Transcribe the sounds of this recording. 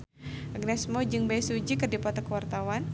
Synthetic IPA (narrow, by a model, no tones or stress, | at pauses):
aɡnɛsmɔd͡ʒɨŋbajsud͡ʒikərdipɔt̪ɔkəwart̪awan